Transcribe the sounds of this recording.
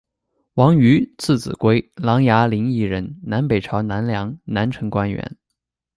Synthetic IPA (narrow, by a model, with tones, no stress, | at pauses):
wɑ˧˥ŋy˧˥t͡sʰɹ̩˥˩t͡sɹ̩˨˩kwe˥ɪlɑ˧˥ŋja˧˥li˧˥ŋi˥˩ɻə˧˥nna˧˥npe˨˩ɪʈ͡ʂʰɑ˧˥ʊna˧˥nljɑ˧˥ŋna˧˥nʈ͡ʂʰɤ˧˥ŋkwa˥nɥɛ̰˧˥n